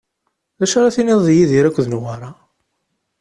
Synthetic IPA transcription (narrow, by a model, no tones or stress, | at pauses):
ðæʃaɾaθiniðˤðjiðiɾækʷːəðnwaɾˤɑ